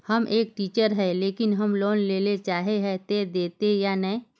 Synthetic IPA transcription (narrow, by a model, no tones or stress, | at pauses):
hɐmʔeːk̚ʈiːt͡ʃəɾɦɛleːkɪnɦəmloːnleːlet͡ʃaːɦeɦɛt̪eːd̪eːt̪ejaːnɛ